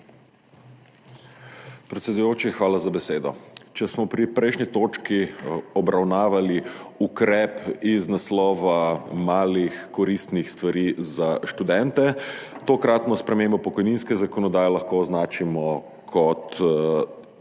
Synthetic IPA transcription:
pɾɛt̪sʲɛd̪ujoːt͡ʃixʋaːlazabɛseːd̪ɔ̰t͡ʃɛsmɔpɾipɾɛjʃnit̪oːt͡ʃkiɔbɾawnaːʋaliukɾɛpiznaslɔːʋamaːlixkɔɾist̪nixst̪ʋaɾiːzaʃt̪ud̪ɛnt̪ɛt̪okɾat̪nɔspɾɛmembɔpɔkɔjninskɛzakɔnɔd̪aːjɛlaxkoːznaːt͡ʃimɔ | kʰɔt̪

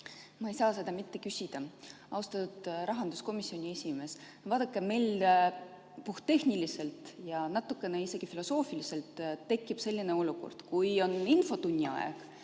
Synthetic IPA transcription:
mɑe̞jsɑːse̞d̪ɑmit̪ːe̞kysʲid̪̥ɑ | ɑwst̪ɑt̪ud̪̥ɾɑɦɑnd̪̥usko̞misːio̞nʲie̞sʲime̞s | vɑːd̪̥ɑkːˑeme̞jl | puht̪ːe̞hnilise̞lt̪ˑjɑnɑt̪ːˑukːˑe̞neise̞ɡ̥ifilo̞so̞ːfilise̞lt̪ːe̞kːˑib̥se̞lʲːine̞o̞luko̞̰rd̪̥kujo̞ninfo̞t̪unʲːiɑ̰ḛɡ̥

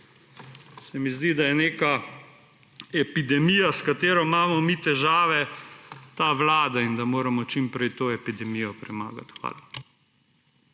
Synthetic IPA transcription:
sɛmizd̪id̪ajɛneːka | ɛpid̪ɛmiːjaskat̪eːɾɔmaːmɔmit̪ɛʒaːʋɛ | t̪aːʋlaːd̪aind̪amoːɾamɔt͡ʃimpɾɛjt̪oːɛpid̪ɛmijɔpɾɛma̰ːɡa̰t̪xʋa̰ːla

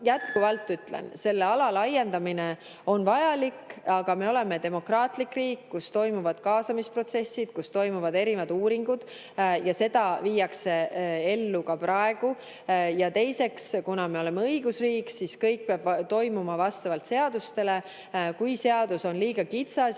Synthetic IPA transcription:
jæt̪kuvɑlt̪ːˑyt̪ːˑlḛnse̞lːeɑlɑlɑje̞nd̪ɑmine̞ | o̞nvɑjɑlikːɑɡ̥ɑme̞o̞le̞me̞t̪e̞mo̞krɑːt̪ˑlikriːkːust̪o̞jmuvɑd̪̥kɑːsɑmispro̞t̪se̞sːid̪̥kust̪o̞jmuvɑd̪e̞ɾivɑd̪̥uːɾiŋɡ̥ud̪̥ | jɑse̞d̪̥ɑviːjɑkseelːukɑprʔɑe̞ɡ̥u | jɑt̪e̞jse̞kskunɑme̞o̞le̞meɤjɡusriːksiskɤjk̚peɑb̥t̪o̞jmumɑvɑst̪ɑvɑlt̪seɑd̪̥ust̪e̞le̞ | kujse̞ɑd̪̥uso̞nliːɡ̥ɑkit̪sɑ

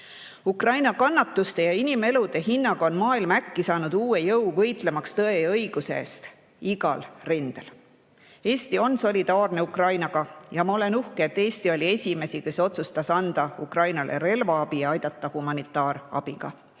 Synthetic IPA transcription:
ukrɑjnɑkɑnːɑt̪ːust̪e̞jɑinime̞lud̪̥e̞ɦinːɑɡ̥ɑo̞nmɑːilmɑækːisɑːnud̪̥uːe̞jɤwvɤ̞jt̪ˑle̞mɑkst̪ɤ̞e̞ɤ̞jɡ̥useḛːst̪ | iɡ̥ɑlrind̪̥e̞l | e̞ːst̪io̞nso̞lʲid̪̥ɑːrne̞ukrɑjnɑɡ̥ɑjɑmɑo̞le̞nuhkeet̪ːe̞ːsʲt̪io̞lʲie̞sʲime̞sike̞so̞t̪sust̪ɑsɑnd̪̥ɑukrɑjnɑlʔe̞̰ɾe̞lvɑɑb̥iɑjd̪̥ɑt̪ːˑɑhumɑnit̪ːˑɑːɾɑ̰b̥iɡ̥ɑ̰

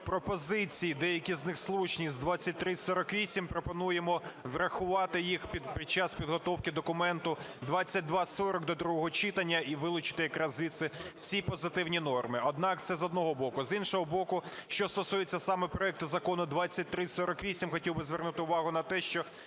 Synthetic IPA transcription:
pɾɔpɔzɪt͡sʲijid̪ɛjɐkʲiznɪxslˠut͡ʃnʲizʲd̪ʋɑt͡sʲːɐt̚ʲt̪ɾɪsɔɾɔkʋʲisʲimpɾɔpɔnujemɔʋrɐxʊʋɑt̪ɪjixpʲid̪pɾʲit͡ʃɑspʲid̪ɦɔt̪ɔwkɪd̪ɔkʊmɛnt̪ʊd̪ʋɑt͡sʲːɐt̚ʲd̪ʋɑsɔɾɔɡ̚d̪ɔd̪ɾuɦɔɦɔt͡ʃɪt̪ɐnʲːɐʔiʋɪlˠʊt͡ʃɪ̥t̪ɪjɐkɾazit̪sɪt͡sʲipɔzɪt̪ɪwnʲinɔrmɪɔd̪nɑkt̪sɛzɔd̪nɔɦɔbɔkʊzinʃɔɦɔbɔkʊʃt͡ʃɔst̪ɔsujet͡sʲːɐsɑmɛpɾɔɛk̚t̪ʊzɐkɔnʊd̪ʋɑt͡sʲːɐt̚ʲt̪ɾɪsɔɾɔkʋʲisʲimxɔtʲiwbɪzʋɛrnut̪ɪʊʋɑɦʊnɐt̪ɛʃt͡ʃɔ

